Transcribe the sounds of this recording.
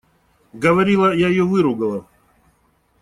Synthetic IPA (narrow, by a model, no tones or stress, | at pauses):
ɡəvɐɾʲilˠəjajɪjovɨɾʊɡəlˠə